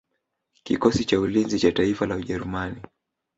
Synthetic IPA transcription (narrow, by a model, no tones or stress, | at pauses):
kikɔsit͡ʃaulinzit͡ʃataifalauʄɛɾumani